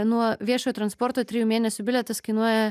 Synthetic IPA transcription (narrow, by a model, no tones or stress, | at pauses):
nuɔʋʲiɛʃoːjoːt̪ɾɐnspɔɾt̪oːt̪ʲɾʲɪjuːmʲeːnʲɛsʲʊbʲɪlʲɛt̪ɐskɐɪnuɔjɛ